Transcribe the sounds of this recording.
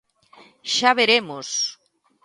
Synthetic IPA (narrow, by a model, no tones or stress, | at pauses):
ʃaβeɾemos